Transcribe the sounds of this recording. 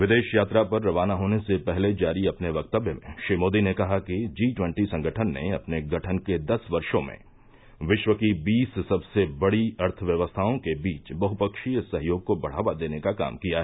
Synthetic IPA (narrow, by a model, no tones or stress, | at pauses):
ʋɪd̪eːʃjaːt̪ɾapɐɾːɐʋaːnaɦoːnesepɛɦled͡ʒaːɾiɐpneʋɐk̚t̪əbjəmḛ̃ʃɾiːmoːd̪inekɐɦakid͡ʒiːʈwɛ̃ɳʈisɐ̃ŋɡʱəʈʰənːḛɐpneɡɐʈʰənked̪ɐsʋɐɾʃõmḛ̃ | ʋɪʃʋəkibiːssɐbsebɐɽiɐɾt̪ʰəʋjɐʋəst̪ʰaːõkebiːt͡ʃbɐɦʊpɐkʃijsɐɦjoːɡ̚kobɐɽ̤aːʋad̪eːnekaka̰ːmkijaɦɛ